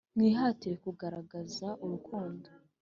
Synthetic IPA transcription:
nŋiːɦaːtijekuɡaɾaɡazaʔuɾukʰuːndo

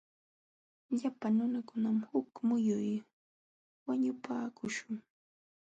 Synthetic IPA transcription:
ʎapanʊnakʊnamhʊkmʊjʊj | waɲʊpaːkʊʃʊŋ

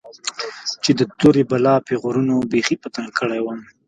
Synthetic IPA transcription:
t͡ʃed̪ət̪oɾebalɑpeɣʊɾunobexipat̪aŋkəɽajwəm

